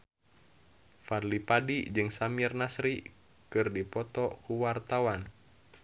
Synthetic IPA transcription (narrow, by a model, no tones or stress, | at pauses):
farlipadid͡ʒɨŋsamiɛrnasɾi | kɨrdipɔt̪ɔkuwart̪awan